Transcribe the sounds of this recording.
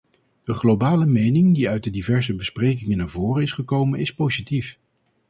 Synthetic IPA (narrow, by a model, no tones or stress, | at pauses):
dəχlowbaːləmejnɪŋdiœɥtdədivɛɹzəbəsprejk̬ɪŋənaːɹvʊːrənɪsχəkowmənɪspozitif